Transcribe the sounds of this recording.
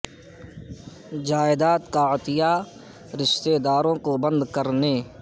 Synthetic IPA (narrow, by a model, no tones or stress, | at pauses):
d͡ʒaːɪd̪aːt̪kaɪt̪ɪja | ɾɪʃt̪ed̪aːɾõkobə̃nd̪kəɾneː